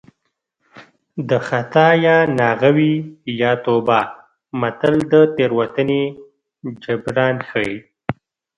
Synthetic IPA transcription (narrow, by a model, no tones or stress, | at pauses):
d̪əxat̪ɑjɑnɑɣawijɑːt̪oba | mat̪əld̪ət̪eɾwat̪əne | d͡ʒabɾɑnxəi